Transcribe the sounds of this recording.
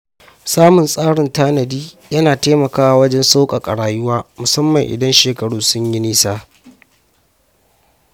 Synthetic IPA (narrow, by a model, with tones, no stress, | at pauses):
saː˦mʊ˨nsʼaː˦ɽɪ˨ntaː˦nɐ˨diː˦ | jɐ˦naː˨teː˦mɐ˨kaː˦wa˨wɐ˦d͡ʒɛ˦nsa˦wkʼa˨kʼɐ˨ɽaː˨jʊ˦waː˦mʊ˨sɐ˦mːɐ˨ŋʔɪ̰˨dɐ˦nʃeː˨kɐ˨ɽuː˦sʊ˦ɲji˦niː˦saː˦